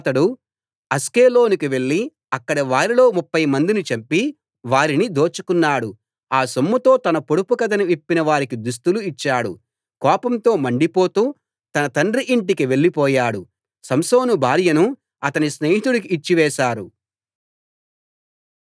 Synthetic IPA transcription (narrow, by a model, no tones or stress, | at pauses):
t̪ɐɽu | ɐskeːlo̞ːnikiʋe̞ɭːi | ɐkːɐɽɐʋaːɾilo̞ːmupːɐjmɐnd̪init͡ʃɐmpːi | ʋaːɾinid̪o̞ːt͡ʃukunːaːɽu | aːsɐmːɐt̪o̞ːt̪ɐnɐpoɽupukɐd̪ɐnɐʋipːinɐʋaːɾikid̪us̬t̪uluit͡ʃːaːɽṵ | kɔːpɐmt̪o̞ːmɐɳɖipo̞ːt̪uː | t̪ɐnɐt̪ɐɳɖriʔiɳʈikiʋe̞ɭːipɔːjaːɽu | sɐmsoːnubʱaːɾjɐnu | ɐt̪ɐnisneːɦit̪uɽuk̬iːt͡ʃːiʋɛːʃaːɾu